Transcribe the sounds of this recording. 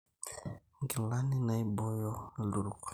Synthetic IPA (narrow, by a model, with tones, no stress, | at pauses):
ŋɡi˨la˦ni˦na˨i˦bɔ˦jɔ˦˨lu˨ɾu˨k